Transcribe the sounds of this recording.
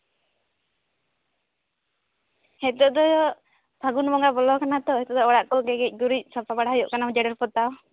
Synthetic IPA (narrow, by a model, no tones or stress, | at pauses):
hɛt̪ɔd̪ɔ | bʱaɡunbɔŋɡabɔlɔkanat̪ɔhɛt̪ɔd̪ɔɔɽaʔkɔɡɛɡɛc̚ˀɡuɾic̚ˀsɔpabaɽaɦajɔʔkanamd͡ʒɛɽəɾpɔt̪aw